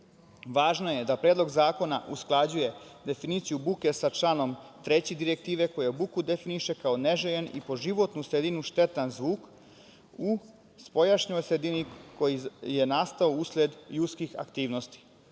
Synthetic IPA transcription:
ʋaːʒno̞jed̪apɾeːd̪lo̞ɡzaːko̞naʔusklˠad͡ʑuje̞d̪e̞finit̪sijubuke̞sat͡ʃlˠaːno̞mt̪ɾet͡ɕid̪iɾek̚t̪iːʋe̞ko̞jabukud̪e̞finiʃe̞kao̞neʒejenḭpo̞ʒiʋo̞t̪nusɾed̪inuʃt̪et̪anzʋuːk | u | spo̞jaʃɲojsɾed̪iniko̞jije̞naːst̪aousled̪jut̪skixa̰kt̪iːʋno̞st̪i̥

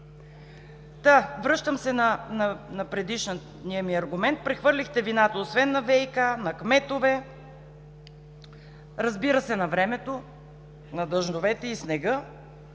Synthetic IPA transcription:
d̪̥avɾɤʃt̪əmsɛnɐnɐnɐpɾɛd̪iʃnə | nijɐmiɐɾɡʊmɛnt̪̚pɾɛxvɤɾlʲixt̪ɛvinat̪əosvɛnːɐvɛjkanɐkmɛt̪ovɛ | ɾɐzbiɾəsɛnɐvɾɛmɛt̪o | nɐd̪əʒnovɛt̪ɛisnɛɡɤ

